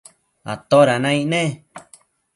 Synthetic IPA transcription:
a̰t̪oɾanãĩʔnẽ

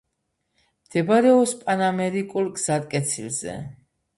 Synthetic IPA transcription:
md̪̥ɛbaɾɛɔspʼanamɛɾikʼulˠɡz̥at̪ʼkʼɛt̪sʰilzɛ̰

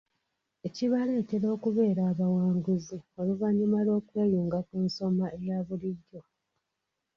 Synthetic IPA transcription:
e̞ciβale̞ːte̞ɾo̞ːkuβe̞ːɾaːβawaːŋɡuzioluvaɲːumalo̞ːkwe̞ːjuːŋɡakunso̞maʔejaβuliɟːo̞

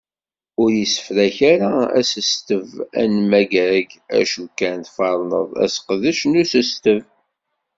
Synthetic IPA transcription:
ʊɾjisə̥fɾæçaɾaæ̰səst̪əvæ̰nmæɡæɡæ̰ʃukːænθfɑɾˤnə̰ðˤæ̰sqðəʃnusəst̪əv

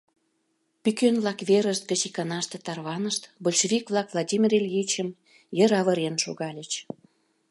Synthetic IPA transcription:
pykønβlɑkβeɾəʃt̪̚ɡət͡ɕikɑnɑʃt̪ĕt̪ɑrβɑnəʃt̪bolʲʃeβʲikβlˠɑkvlˠadʲimʲirelʲjit͡ɕəm | jəɾɑβə̆ɾenʃoɣɑlʲət͡ɕ

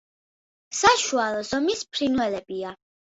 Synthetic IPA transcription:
saʃualˠɔz̥ɔmispʰɾinwɛlɛbia

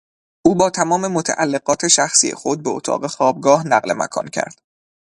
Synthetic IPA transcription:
ʔuːbɒːt̪ʰæmɒːme̞mot̪ʰæʔælːeɡɒːt̪ʰe̞ʃæxsiːḛxod̪̚beot̪ʰɒ̰ːɢe̞xɒːb̚ɡɒːhnæɢlḛmæ̰kʰɒ̰ːncʰæ̰ɾd̪̥

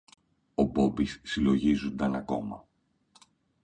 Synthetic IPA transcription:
o̞bo̞bisːilo̞ʝizund̪ɐnɐko̞mɐ̰

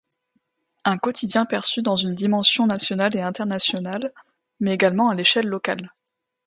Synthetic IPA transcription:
ɛ̃kɔt̪ʰid̪jɛ̃pɛʁsyd̪ɑ̃zynd̪imɑ̃sjɔ̃nasjɔnaleɛ̃t̪ɛʁnasjɔnal | mɛeɡalmɑ̃aleʃɛlːɔkal

